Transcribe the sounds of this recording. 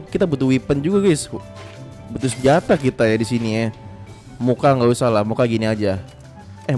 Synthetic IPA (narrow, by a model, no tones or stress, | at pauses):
kit̪abut̪uwipənd͡ʒuɡaɡas | but̪ʊus̬əd͡ʒat̪akit̪ajadisinija | mukaŋɡawisalahmukaɡiniad͡ʒa | ɛ